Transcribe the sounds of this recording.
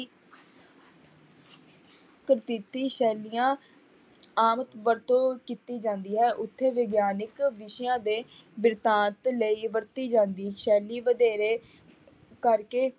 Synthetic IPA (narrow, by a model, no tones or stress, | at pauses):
kɾt̪it̪iːʃɛːlijãː | aːmət̪ʋəɾt̪õːkiːt̪iːd͡ʒãːnd̪iːɦɛːʔʊt̪ʰːeːʋeɡjaːnɪkʋɪʃjãːd̪eːbɪɾt̪ãːt̪ləiːʋəɾt̪iːd͡ʒãːnd̪iːʃɛːliːʋəd̪eːɾeː | kəɾkeː